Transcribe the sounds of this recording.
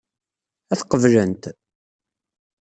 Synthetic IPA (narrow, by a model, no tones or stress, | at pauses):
æθqəvlənt̪